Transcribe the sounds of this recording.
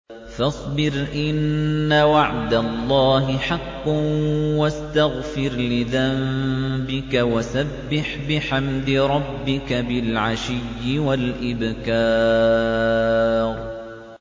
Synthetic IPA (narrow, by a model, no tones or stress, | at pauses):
fɑsˤbɪɾʔɪnːawaʕd̪alˤːɑːɦɪħaqːwast̪aɣfɪɾlɪðambɪkawasabːɪħbɪħamd̪ɪɾˤɑbːɪkabɪlʕaʃɪjːɪwalʔɪbkɑː | ɾ